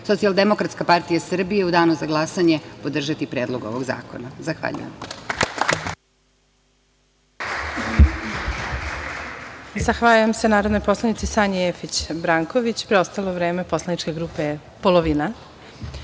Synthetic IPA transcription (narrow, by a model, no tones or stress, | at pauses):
so̞t̪sialˠd̪emokɾat̪skapaɾt̪ijasr̩bijeud̪aːnuzaɡlˠasaɲe̞pod̪r̩ʒat̪ipɾeːd̪lˠo̞ɡo̰ʋoɡza̰ːko̞̰nazaxʋa̰ʎṵjḛm | zaxʋaʎujemsenaːɾod̪nojpo̞slˠanit̪sisaːɲiefit͡ɕbɾaːŋko̞ʋit͡ɕpɾeo̞st̪alˠoʋɾeːme̞po̞slˠanit͡ʃke̞ɡɾuːpe̞ | poloʋina